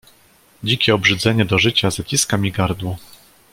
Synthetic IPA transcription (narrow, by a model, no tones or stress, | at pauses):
d͡ʑikʲɛɔbʐɘd̪zɛɲɛd̪ɔʐɘt͡ɕazat͡ɕiskamʲiɡaɾd̪wɔ